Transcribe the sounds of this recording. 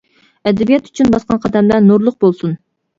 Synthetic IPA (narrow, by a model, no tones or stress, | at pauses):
ɛd̪ɛbijɛt̪y̥t͡ʃʰynbɑsqɑnqʰɑd̪ɛmlænuɾlˠʊq̚bolˠsun